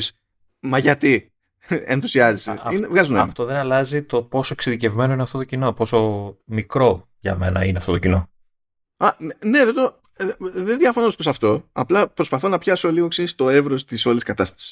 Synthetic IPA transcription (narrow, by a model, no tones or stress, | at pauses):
s | mɐʝɐt̪i | enθusiɐziseinevɣɐzuneɐmft̪oðenɐlɐzit̪o̞po̞so̞eksiðice̞vme̞noinɐft̪o̞t̪ocino̞po̞so̞mikɾo̞ | ʝɐ̰me̞nɐ̰ineɐft̪o̞t̪ocino̞ | ɐne̞ðet̪o | ðenðjiɐfonosposɐft̪o̞ɐplɐpɾo̞spɐθonɐpçɐso̞liɣoksinst̪oe̞vɾost̪iso̞liskɐt̪ɐst̪ɐ̥si̥s